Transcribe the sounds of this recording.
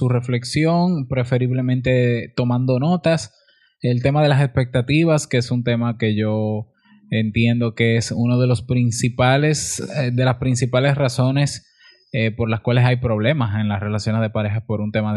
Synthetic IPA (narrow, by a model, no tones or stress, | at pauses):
sure̞fle̞ksjo̞ŋpɾe̞fe̞ɾiβle̞mẽnt̪e̞t̪o̞mãnd̪o̞no̞t̪as | e̞lt̪e̞mað̞e̞lase̞spe̞k̚t̪at̪iβaskeesunt̪e̞make̞ʝo̞ | ent̪je̞nd̪o̞keesuno̞ð̞e̞lo̞spɾinsipalesd̪e̞laspɾinsipalesraso̞ne̞s | epo̞ɾlaskwale̞sajpɾo̞β̞le̞mase̞nlasre̞lasjo̞nezðe̞paɾe̞xaspo̞ɾunt̪e̞ma